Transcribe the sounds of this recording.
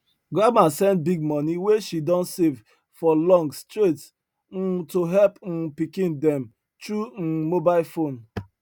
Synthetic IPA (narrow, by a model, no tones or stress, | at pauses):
ɡamasɛ̃nt̚biɡ̚mɔniweʃidɔ̃ntsev | fɔlɔ̃ŋɡstɾets | n̩toɦɛlpn̩pikĩndɛ̃m | tɾun̩mobaɪlfon